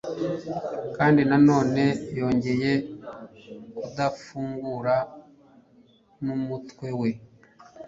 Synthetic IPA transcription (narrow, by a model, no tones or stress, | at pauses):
kaːndinano̞ːne̞jo̞ːɲɟe̞je̞ | kudafuːŋɡuɾa | numutwe̞we̞